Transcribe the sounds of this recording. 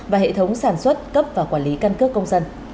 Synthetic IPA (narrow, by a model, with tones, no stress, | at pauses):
vaː˨˩ɦḛ˧˨t̪ʰə˨˦wŋ͡msaː˧˩nswə˦˥t̚kə˦˥p̚vaː˨˩kwaː˧˩nli˨˦ka˧nkɨ˦˥əkːə˧wŋ͡msə˧n